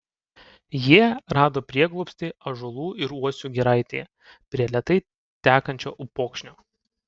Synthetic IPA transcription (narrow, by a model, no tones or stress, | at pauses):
jiɛɾɑːd̪oːpʲɾʲiɛɡlˠɔːpst̪ʲeɪɐʒʊlˠuːɪɾuɔsʲuːɡʲiɾɐˑɪt̪ʲḛː | pʲɾʲiɛlʲɛt̪ɐɪ | t̪ʲæːkɐnʲt͡ʃʲoːʔʊpoːkʃʲnʲoː